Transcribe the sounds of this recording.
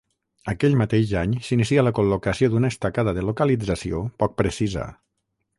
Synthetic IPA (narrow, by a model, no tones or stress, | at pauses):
əkɛʎmət̪eʒaɲsinis̬ialəkulukəsiod̪unəəst̪akaðəðəlokəlid͡zəsiopɔk̚pɾəsizə̰